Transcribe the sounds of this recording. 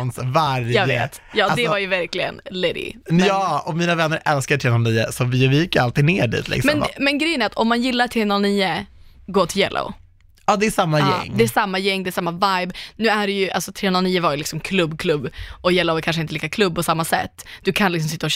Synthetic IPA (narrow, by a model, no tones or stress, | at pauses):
nsvaɾjɑːḛːt̪ | jɑːad̪ɛvaɾjəvæɾklɪɡə̰nlɛd̪ɪ̰jɑːɔmiːnavɛnːəɾʔɛlskaʈʰɾeːnɔːlniːə̰sɔvɪvɪjɪkːəɾalt̪ɪɡneːɖḭːt̪lɪ̰ksmɛnmmɛnɡɾɛjənæɾat̪ɔmːanjɪlːaʈʰɾeːnoːlniːəɡoːt̪ʰɪljɛ̰lʔo̰ | ɑːd̪ɛæʂamːajɛ̰ŋːdd̪ɛæʂamːajɛŋːd̪ɛːʂamːavajbnʉ̟ːæɖɛjɵʔa̰lsɔt̪ʰɾeːnalniːəvaɾjɵlɪksɔmkʰlɵbːkʰlɵbːɔjɛlːoʊɛkʰanʂ̬əɪnt̪əliːkakʰlɵbːpɔsamːasɛ̰t̪ːd̪̥ɵkʰanlɪks̬ɔmsɪt̪ːaɔ